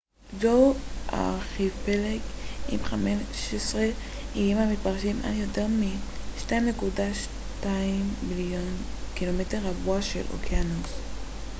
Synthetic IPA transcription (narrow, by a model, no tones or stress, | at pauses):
zowʔa̰χivpelekʔimχameʃesʁe | ijimamit̚paʁʃimʔa̰ljoteʁmiʃtaimnekudaʃ | taimbiljon | kilometeʁhabuaʃḛlʔo̰kjanos